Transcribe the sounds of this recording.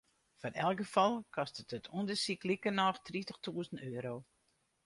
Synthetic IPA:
fɔrɛ̰lˠkɡəfɔlˠkʰɔstətətʰundəsiklikənɔxtritəxtʰuəzən̩tøːəɾow

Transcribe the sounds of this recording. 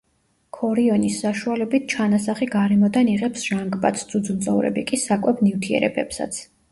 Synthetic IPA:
kʰɔɾiɔnisːaʃualɛbit̪̚ʰt͡ʃʰanasaχiɡaɾɛmɔd̪aniʁɛpsʒaŋɡba̰t̪sʰd̪sʰʼud̪zunt̪sʼɔ̰vɾɛ̰bikʼisakʼwɛbnift̪ʰiɛ̰ɾɛ̰bɛpsa̰t̪sʰ

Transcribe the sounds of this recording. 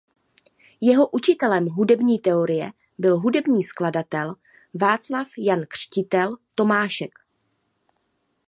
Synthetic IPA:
jɛɦo̞ʔut͡ʃɪt̪ɛlɛmɦudɛbɲiːt̪ɛo̞ɾɪjɛ | bɪlɦudɛbɲiːskladat̪ɛl | vaːt͡slafjankr̝̥cɪt̪ɛlt̪o̞maːʃɛk

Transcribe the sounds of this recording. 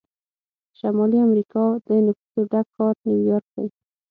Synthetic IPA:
ʃamɑliamɾikɑd̪ənʊfu̥zoɖakʰːɑɾnjuwjɑɾk̚d̪a̰j

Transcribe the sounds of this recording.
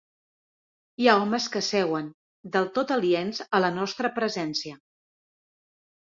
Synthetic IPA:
iaɔməskəsɛwən | d̪əlˠt̪ot̪əlienzələnɔst̪ɾəpɾəzɛnsiə

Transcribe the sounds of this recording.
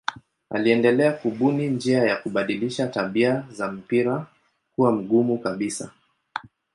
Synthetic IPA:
a̰liɛndɛlɛakuɓunind͡ʒiajakuɓaɗiliʃataɓiazam̩piɾa | kuwam̩ɡumukaɓisa

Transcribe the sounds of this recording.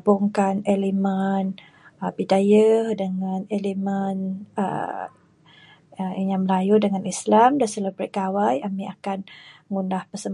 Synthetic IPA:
buŋkanelemən | bidajadəŋanelemənə̰ | jaŋməlajudəŋanislamdasələbɾət̪̚kawajamiakanŋunahpəsəm

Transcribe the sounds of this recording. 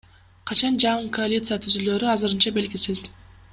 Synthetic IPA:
qʰɑt͡ʃɑnd͡ʒɑɴɯkʰoalʲit̪sɨjat̪ʰyzyløɾyɑzɯɾɯnt͡ʃɑbe̞lɡʲisiz̥

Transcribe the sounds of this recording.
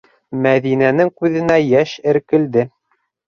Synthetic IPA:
mæðinænɘŋkʉðɘ̆næjæʃɘ̆ɾkɘ̆ld̪ɘ

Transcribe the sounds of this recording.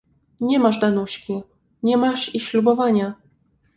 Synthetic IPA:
ɲɛmaʐd̪anuɕkʲi | ɲɛmaʂiɕlʲubɔvaɲa

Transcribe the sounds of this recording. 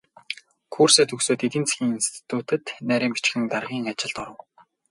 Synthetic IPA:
kʰurseːt̪ʰɵksoːt̪et̪iːnt͡saxʲiːŋinst̪ʰi̥t̪ʰuːt̪ɘ̆t̪næːɾʲiːmpi̥t͡ɕɡɘ̆ŋt̪arʁiːŋat͡ɕɪ̆ɮt̪ɔɾə̆w

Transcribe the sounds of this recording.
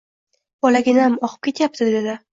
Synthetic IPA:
bɒlaɡʲɪnamɒqʰɨ̥p̚kʲʰe̞t̪ʰjap̚t̪ʰɪd̪d̪ed̪ɪ

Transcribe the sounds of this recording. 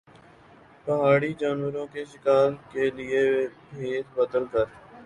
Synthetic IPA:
pəɦaːɽiːd͡ʒaːnʋəɾõːkeʃɪkaːlkelɪebeːt̪bət̪əlkəɾ

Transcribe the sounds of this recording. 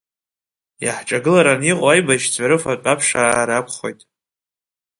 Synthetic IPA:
jaħʈ͡ʂʼaɡɨlaɾaniqʼajbaʃd͡zaɾɨfakʼapʰʂaɾakʷʰχo̞̰jtʼ

